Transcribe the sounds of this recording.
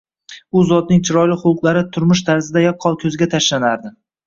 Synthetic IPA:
ʊzɒd̪nɪŋt͡ʃʰɪɾɒjlɪχʊlˠqlˠaɾɪt̪ʰʊɾmʊʃt̪ʰaɾzɪd̪ajap̚qʰːɒlˠkʲʰɵzɪɡʲat̪ʰaʃlanaɾd̪ɪ

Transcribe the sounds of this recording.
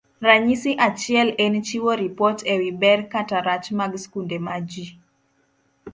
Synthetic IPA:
raɲisiʔat͡ʃiɛlɛnt͡ʃiwɔɾipɔtʰɛwibɛrkataɾat͡ʃmaɡskundɛmad͡ʒi

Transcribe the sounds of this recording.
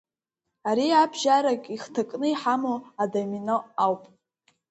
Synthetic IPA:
aɾiabʒaɾakʼiχtʰakʼnɨiħamoadaminoawpʼ

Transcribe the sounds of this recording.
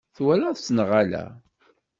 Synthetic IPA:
θwælæðsnʁalæ̰

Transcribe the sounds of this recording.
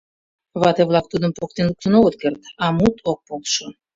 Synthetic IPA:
βɑt̪eβlˠɑk̚t̪ud̪əmpok̚t̪enluk̚t̪ənoɣət̪̚kert̪ɑmut̪ʰok̚polˠʃə

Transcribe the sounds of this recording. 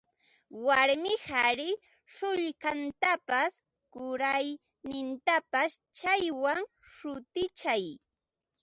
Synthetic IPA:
waɾmɪhaɾɪ | ʃʊʎkant̪apas | kʊɾaj | nɪnt̪apast͡ʃajwaŋ | ʃʊt̪ɪt͡ʃaj

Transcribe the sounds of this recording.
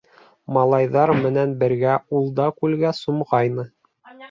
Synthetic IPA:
mɑlˠɑjðɑɾmɘ̆nænbɘ̆ɾɡæulˠd̪ɑkʉlɡæsumʁɑjnɤ

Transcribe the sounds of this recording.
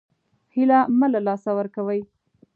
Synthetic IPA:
hilaməlalɑsawəɾkawəj

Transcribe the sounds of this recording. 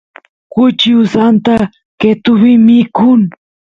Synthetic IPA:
kʊt͡ʃiusant̪a | ket̪ʊβimikʊŋ

